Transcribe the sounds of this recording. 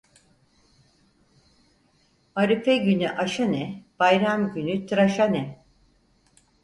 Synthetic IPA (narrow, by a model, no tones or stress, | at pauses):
aɾɯfɛɟynyʔaʃanɛb̥ajɾamɟynyt̪ʰɾaʃanɛ